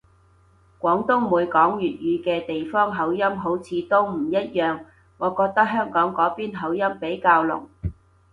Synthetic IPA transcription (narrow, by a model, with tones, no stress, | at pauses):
kʷɔː˨˥ŋt̪ʊ˥wmuː˨˧jkɔː˨˥ŋjyː˨t̚jyː˨˧kɛː˧t̪e˨jfɔː˥ŋɦɐ˨˥wjɐ˥mɦo˨˥wt͡sʰiː˨˧t̪o˥wm̩˨˩jɐ˥t̚jœː˨ŋ | ŋɔː˨˧kɔː˧k̚t̪ɐ˥k̚ɦœː˥ŋkɔː˨˥ŋkɔː˨˥piː˥nɦɐ˨˥wjɐ˥mpe˨˥jkaː˧wlʊ̰˨˩ŋ